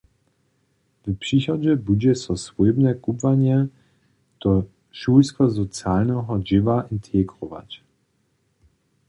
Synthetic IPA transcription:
vpʂixɔd͡ʑɛbud͡ʑɛsɔsvujbnɛkubvaɲɛ | t̪ɔ | ʃujskɔzɔt̪sjalnɛɦɔd͡ʑɪvaʔint̪ʰɛɡɾɔva̰t͡ɕ

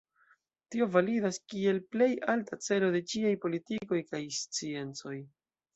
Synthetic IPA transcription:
tio̞validaskie̞lple̞jaltat͡se̞lo̞de̞t͡ʃiajpo̞litiko̞jkajst͡sie̞nt͡so̞j

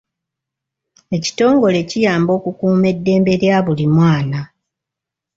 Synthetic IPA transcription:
e̞ci̥to̞ːŋɡo̞le̞cijaːmbo̞ːkukuːme̞dːe̞ːmbe̞ɾjaβulimwaːna

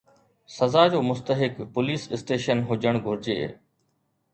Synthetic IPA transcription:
sɐzaːd͡ʑoːmʊst̪əɦɪkpʊliːsɪsʈeːʃənɦʊd͡ʑəɽ̃ɡʱʊɾɪd͡ʑḛː

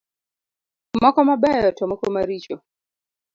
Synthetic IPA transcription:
makɔmaɓɛjɔtamɔkɔmaɾit͡ʃɔ

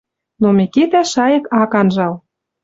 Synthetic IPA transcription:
nomeket̪æʃɑjə̆kɑkɑnʒɑl

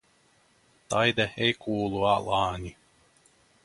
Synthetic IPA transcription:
t̪ajd̪aɛjkʰuːlˠualˠaːɲʲi

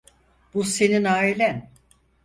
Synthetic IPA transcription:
b̥use̞ninaːilʲæn

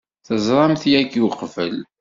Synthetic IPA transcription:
θəzˤɾˤɑmθjækːiwqfəl

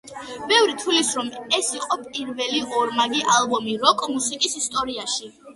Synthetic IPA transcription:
bɛvɾit̪ʰulisɾɔmɛsiqʼɔpʼiɾvɛliʔɔɾmaɡiʔalˠbɔmiɾɔkʼmusikʼisist̪ʼɔɾiaʃi

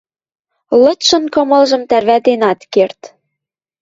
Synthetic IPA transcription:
lɤ̆t̪ʃɤ̆nkɤ̆mɤ̆lʒɤ̆mt̪ærβæt̪enɑt̪kert̪

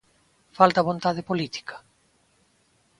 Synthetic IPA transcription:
falt̪aβont̪aðepolit̪i̥kʰḁ

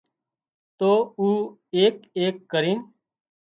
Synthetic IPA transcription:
t̪oːuː | eːkeːkːəɾiːn

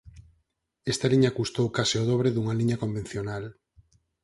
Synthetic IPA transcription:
est̪aliɲakust̪owkasɪoðɔβ̞ɾeðuŋaliɲakombẽn̟θjonal

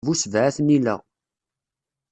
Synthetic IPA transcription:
vusvʕæθnilə̰ʁ

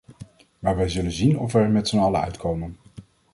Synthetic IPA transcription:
maːɹʋɛjzɵlənzinɔfɛɹmɛtsənɑləœ̰ɥtkʰowmən

